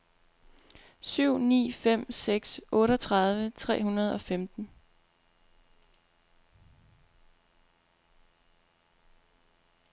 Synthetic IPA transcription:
syʊ̰nḭːfem̰seɡ̥sʔɔ̽ːɾəɒt͡sʰʁɑ̈ð̞ˠʋət͡sʰʁɛ̰ːhunɐð̞ˠɒ̽femd̥n̩

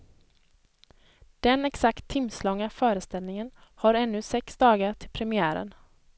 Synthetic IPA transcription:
d̪̥ɛnɛksakt̪ʰːɪmslɔŋːafœːɾəst̪ɛlnɪŋənhaɾɛnːɵsɛksd̪ɑːɡaʈʰɪlpʰɾɛmɪæːɾə̰n

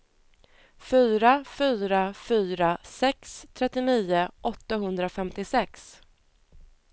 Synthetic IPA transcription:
fyːɾafyːɾafyːɾasɛkst̪ʰɾɛt̪ːɪniːʊʔɔt̪ːaɦɵnd̪ɾafɛmt̪ɪsɛks

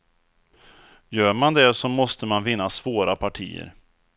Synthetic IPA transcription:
jœːɾmand̪ɛsɔmɔst̪əmanvɪnːasvoːɾapʰaʈʰḭːə̰ɾ

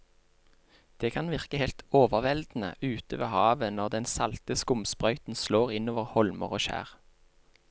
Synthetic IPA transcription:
d̪̥eːkʰɑnʋɪʁkəhɛlt̪oːʋəʁʋɛld̪n̩ə̰ʔʉːt̪əʋḛːhɑːʋənɔʁd̪ɛnsɑlt̪əskʊmspʁœʏt̪n̩sloːʁɪnoːʋəʁhɔlmə̰ʁoːʃæ̰ːʁ

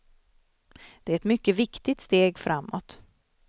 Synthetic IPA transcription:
d̪̥ɛæɾɛt̪mʏkːəvɪkt̪ɪt̪st̪eːɡfɾʔamːɔt̪

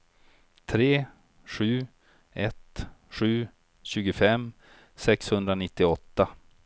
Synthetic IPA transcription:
t̪ʰɾeː | ɧʉ̟ː | ʔɛt̪ɧʉ̟ː | ɕʉ̟ːɡʊfɛmː | sɛkshɵnd̪ɾanɪt̪ːɪɔt̪ːa

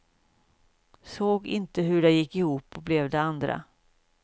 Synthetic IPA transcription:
soːɡɪ̰nt̪əɦɵɖɛjɪkːɪhuːpːɔblɛvd̪ɛand̪ɾa̰

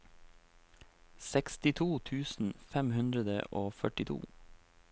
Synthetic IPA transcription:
sɛkst̪ɪt̪ʰuːt̪ʰʉːsn̩fɛmhʉnd̪ɾəd̪ə̰ʔoːfœʈɪt̪ʰṵː

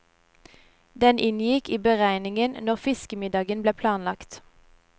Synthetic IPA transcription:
d̪ɛnʔɪnjɪkiːbəʁæɪnɪŋənnɔʁfɪskəmɪd̪ɑːɡənbleːpʰlɑːnlɑkt̪

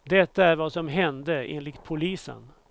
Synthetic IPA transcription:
d̪ɛt̪ːaæɾvasɔmɦɛnd̪əʔḛːnlɪkt̪̚pʰʊliːsə̰n

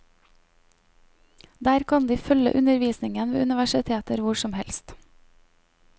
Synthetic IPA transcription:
d̪æːɾkʰɑnd̪iːfœlə̰ʔʉnəɾʋiːsnɪŋənʋḛːʉnɪʋæʃɪt̪ʰeːt̪əɾʋʊʃɔmhɛlst̪

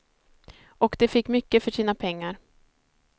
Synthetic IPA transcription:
ʔɔkd̪ɛfɪkːmʏkːəfœʂiːnapʰɛŋːaɾ

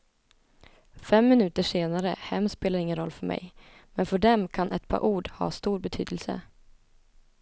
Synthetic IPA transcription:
fɛmːɪnʉ̟ːt̪əʂeːnaɾəhɛmːspeːlaɾɪŋːənɾɔlːfœɾmɛ̰j | mɛnfœɖɛmkʰanʔɛt̪̚pʰɑ̰ːɾʔuːɖhɑ̰ːst̪uːɾbɛt̪ʰyːd̪əlsə̰

